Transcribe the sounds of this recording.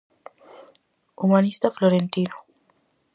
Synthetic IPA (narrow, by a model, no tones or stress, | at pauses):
umanist̪aflɔɾentino